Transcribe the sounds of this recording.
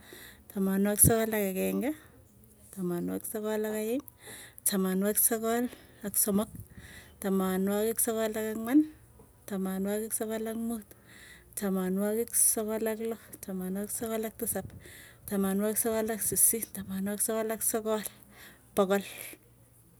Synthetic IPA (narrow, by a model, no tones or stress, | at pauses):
tamanwaksɔkɔlakakɛŋɡa | tamanwa̰ksɔkɔlakajɪm | tamanwaksɔkɔlaksɔmɔk̚tamanwakɪksɔkɔlakakman | tamanwakɪksɔkɔlakmut̪ | tamanwakɪksɔkɔlaklɔtamanwaksɔkɔlak̚tasaptamanwaksɔkɔlaksisitamanwaksɔkɔlaksɔkɔl | pɔkɔl